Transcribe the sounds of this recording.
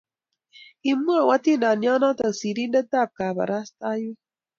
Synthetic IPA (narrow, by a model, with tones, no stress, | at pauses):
i˨mu˦a˨wa˦t̪i˦nda˨nja˦na˦t̪ə˨ksi˨ɾi˦ndə˦t̪a˦˨p̚ka˨ba̰˨ɾa˦st̪a˦ju˦